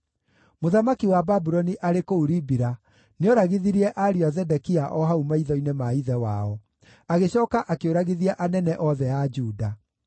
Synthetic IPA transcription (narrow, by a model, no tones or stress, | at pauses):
moðamakiwababuɾɔniʔaɾekouɾibiɾa | neɔɾaɣiðiɾiɛʔaɾiazɛdɛkiaʔɔɦaumaiðɔinemaiðɛwa̰ɔ | aɣeɕɔːkaʔakeoɾaɣiðiaʔanɛnɛʔɔðɛad͡ʒuːda